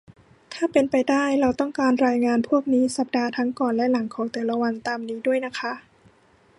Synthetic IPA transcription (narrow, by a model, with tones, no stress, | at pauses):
t̪ʰaː˥˩pe˧npa˧jdaː˥˩jɾa˧wt̪ɔ˥˩ŋkaː˧nɾaː˧jŋaː˧npʰu˥˩ək̚niː˦˥sa˨˩p̚daː˧t̪ʰa˦˥ŋkɔː˨˩nlɛ˦˥ʔla˩˦ŋkʰɔː˩˦ŋt̪ɛː˨˩la˦˧wa˧nt̪aː˧mniː˦˥du˥˩əjna˦˥kʰa˦˥ʔ